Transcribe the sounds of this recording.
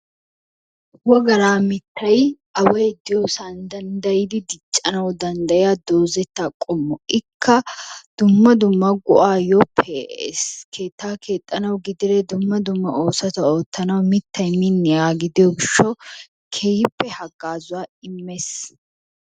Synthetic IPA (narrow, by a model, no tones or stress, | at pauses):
wɔɡɐɾaːmɪt̪ːɐjʔɐwɐjd̪ɪjɔːsaːnd̪ɐnd̪ɐjɪd̪ɪd̪ɪt͡ʃʼːɐnɐwd̪ɐnd̪ɐjɪjad̪oːzɛt̪ːakʼːɔmːɔɪkʰːɐd̪̥ʊmːɐd̪ʊmːɐɡʊʔaːjɔpʰːɛskʰe̞ːt̪ːaːkʰe̞ːt̪ʼːɐnɐwɡɪd̪ɪɾɛd̪ʊmːɐd̪ʊmːɐo̞ːsɐt̪ɐoːt̪ːɐnɐwmɪt̪ʰːɐjmɪnːɪaːɡɪd̪ɪjɔɡɪʃːɔ | kʰejɪpːɛhɐɡaːzʊwaːɪmːes